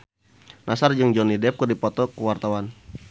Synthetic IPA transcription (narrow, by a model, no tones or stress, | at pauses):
nasard͡ʒɨŋd͡ʒɔnidɛp̚kərdipɔt̪ɔkəwart̪awan